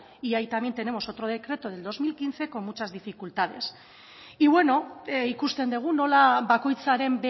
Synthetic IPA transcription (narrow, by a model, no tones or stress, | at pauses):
iajt̪amje̞nt̪e̞ne̞moso̞t̪ɾo̞ð̞e̞kɾe̞t̪o̞ð̞e̞ld̪o̞zmilkinθe̞ko̞mmut͡ʃazðifikult̪aðe̞s | iβwe̞no̞eikust̪e̞nd̪e̞ɣ̞uno̞laβako̞jt͡saɾe̞mbe